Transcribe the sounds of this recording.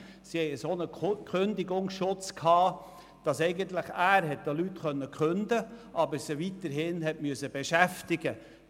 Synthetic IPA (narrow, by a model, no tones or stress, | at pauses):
sihɛɪəsonəkʰχøndɪɡʊŋsʃʊt͡skʰɑː | d̥ɑsɛɪɡənt̪lɪχæːɾɦɛt̚d̥ɑlytχœnːəkχøndəʔɑbəsiʋitəɾɦɪnɦɛtmyəsəbeʃæftɪɡə